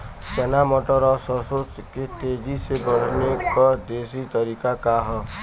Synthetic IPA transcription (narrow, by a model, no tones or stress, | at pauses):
t͡ʃɛnamɔʈɔɾɔsɔsot͡ʃket̪ed͡ʒiseɡɔɽ̤nekɔd̪esit̪ɔɾikakaɦɔ